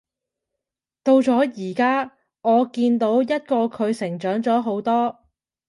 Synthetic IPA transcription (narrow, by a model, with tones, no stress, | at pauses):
t̪o˧wt͡sɔː˨˥jiː˨˩kaː˥ | ŋɔː˨˧kiː˧nt̪o˨˥wjɐ˥t̚kɔː˧kʰɵ˨˧ɥsɪ˨˩ŋt͡ʃœː˨˥ŋt͡sɔː˨˥ɦo˨˥wt̪ɔː˥